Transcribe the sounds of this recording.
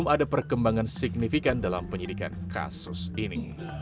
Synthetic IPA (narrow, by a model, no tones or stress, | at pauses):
madapərkəmbaŋansiɡ̚nifikandalampəɲidika̰nkʰa̰sʊsini